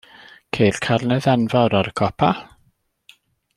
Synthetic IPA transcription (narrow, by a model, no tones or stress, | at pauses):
kʰejrkʰarnɛðɛnvaɾaɾəkʰɔpʰa